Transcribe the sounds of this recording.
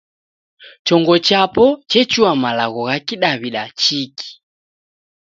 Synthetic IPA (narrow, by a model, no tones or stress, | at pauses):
t͡ʃɔŋɡɔt͡ʃapɔt͡ʃɛt͡ʃuamalaɣɔɣakiɗaβiɗat͡ʃikʰi̥